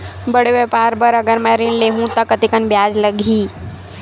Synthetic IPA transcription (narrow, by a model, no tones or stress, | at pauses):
bəɽeʋepaːɾbəɾɐɡəɾmɛ̃ɾinleːɦũt̪ɐkət̪ikənbjaːd͡ʒləɡʱiː